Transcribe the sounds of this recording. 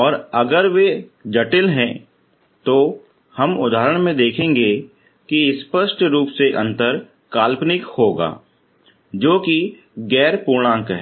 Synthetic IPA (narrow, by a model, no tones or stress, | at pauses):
ɔːɾɐɡəɾʋed͡ʒɐʈɪlɦɛ̃ː | t̪o | hɐmʊd̪ʱaːɾəɽ̃mẽd̪eːkʰẽːŋɡe | kispəʃʈɾuːpseʔɐ̃nt̪əɾ | kaːlpnɪkhoːɡa̰ː | d͡ʒoːki | ɡɛːɾpuːɾɽ̃ãːŋkɦɛ